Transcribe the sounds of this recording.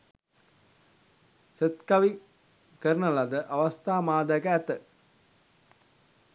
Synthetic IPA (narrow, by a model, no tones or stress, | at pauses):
set̪kaʋi | kəɾənəlad̪əʔaʋast̪aːmaːd̪ajkəæt̪ə